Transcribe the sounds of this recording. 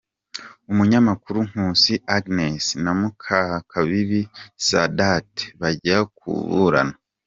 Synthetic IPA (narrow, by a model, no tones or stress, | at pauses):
umuɲamakuɾuŋ̥huːsiaɡnesnamukʰakʰaβiβisadate̥βaɟakṵβṵɾa̰na